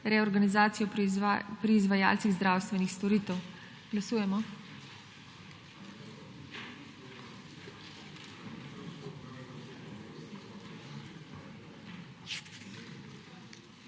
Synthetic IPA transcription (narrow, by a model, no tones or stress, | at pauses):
ɾɛɔɾɡanizaːt̪sijɔpɾiːzʋaja̰ːlt̪siɣzd̪ɾaːwst̪ʋɛnixst̪ɔɾiːt̪ɛw | ɡ̥lasuːjɛmɔ